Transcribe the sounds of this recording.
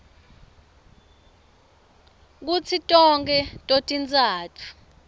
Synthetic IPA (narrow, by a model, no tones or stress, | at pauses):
k̬ut͡sʰitʼɔŋk̬ʰʼɛtʼotʼint͡sʼaːtʰu̥